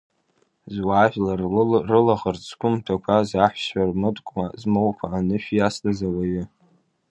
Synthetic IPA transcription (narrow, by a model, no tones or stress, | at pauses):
zwaːʒᶣlarrɨlaχərt͡sʼʰkʷʰʼʊmtʰakʷʰazaħʷʃarmɨtʼkʷʼmazmowkʷʰaːnɨʃᶣijaslazawaɥɪ